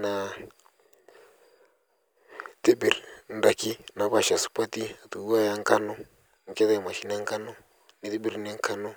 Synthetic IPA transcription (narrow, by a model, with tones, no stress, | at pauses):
na˨ | t̪i˦bi˨ɾn̩˦da˨ki˦na˨βa˨ʃa˨su̥˨pa˦t̪i˦˨t̪u˨u˦a˦ja˦ŋ̩˦ka˦nɔ˦ | ŋ̩˨kɛ˦ðɛ˨ma˨ʃi˦n˦a˦ŋ˦ka˦nɔ˦ | ni˨ti˦ɓi˦ɾni˦ŋ˦ka˦nɔ˦